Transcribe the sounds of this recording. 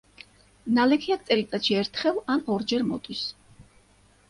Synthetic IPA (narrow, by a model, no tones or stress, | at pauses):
nalɛkʰiak̪̚sʼɛlit̪ʼaʃʰiɛɾt̪ʰχɛvanɔɾd͡ʒɛɾmɔ̰t̪ʼis